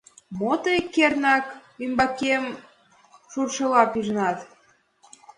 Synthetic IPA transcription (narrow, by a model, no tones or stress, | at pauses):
mot̪əekːernɑkymbɑkem | ʃurʃɤ̆lɑpiʒnɑt̪